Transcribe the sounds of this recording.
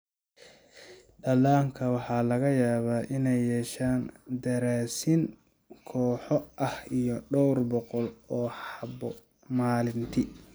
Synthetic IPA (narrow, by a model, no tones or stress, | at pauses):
ɖɐlaːŋkʰɐwɑħɑːlɐɣɐjaːβaːʔɪnɛjːɛːʃaːnd̪ɐɾaːsɪŋ | kʰɔːħɔʔɐhijɔɖɔwrbɔqɔlɔːħɑbɔ | maːlɪnt̪ʰi